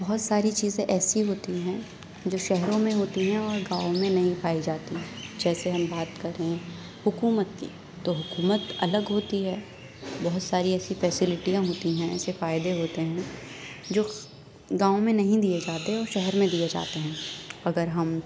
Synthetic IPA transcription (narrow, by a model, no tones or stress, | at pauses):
bɐɦʊt̪saːɾit͡ʃiːzẽʔɛːsiɦoːt̪iɦɛ̃ː | d͡ʒoːʃɛɦɾõmẽɦoːt̪iɦɛ̃ɔːɾɡãːõmẽnɐɦĩpʰaːid͡ʒaːt̪iɦɛ̃d͡ʒɛːseɦɐmbaːt̪kɐɾẽ | hʊkuːmət̪̚kḭ | t̪oɦʊkuːmət̪ɐləɡɦoːt̪iɦɛː | bɔɦʊt̪saːɾiɛːsifɛːsɪlɪʈijãɦoːt̪iɦɛ̃ɛ̰ːsefaːɪd̪eɦoːt̪eɦɛ̃ | d͡ʒoː | ɡaːõmẽnɐɦĩd̪ijed͡ʒaːt̪eɦɛ̃ɔːɾʃɛɦɛɾmẽd̪ied͡ʒa̰ːt̪eɦɛ̃ːɐɡəɾɦɐm